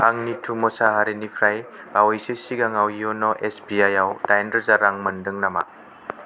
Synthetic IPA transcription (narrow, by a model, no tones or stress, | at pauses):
aŋnitʰumɔsaɦaɾenipʰɾaj | bawajsesiɡaŋawiɔnɔʔesbiajawdajndazaɾaŋmɐndɯŋnama̰